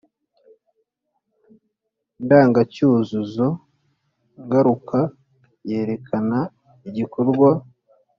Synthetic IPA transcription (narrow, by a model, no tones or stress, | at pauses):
ndaːŋɡacuːzuzo̞ | ŋɡaɾuka | jeːɾe̞kʰana | iɟikoɾɡwa